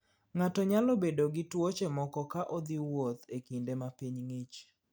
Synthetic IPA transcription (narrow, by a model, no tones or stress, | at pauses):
ŋatɔɲalobedoɡɪtwot͡ʃemɔkɔkaʔod̪iwot̪ekindemapiɲŋit͡ʃ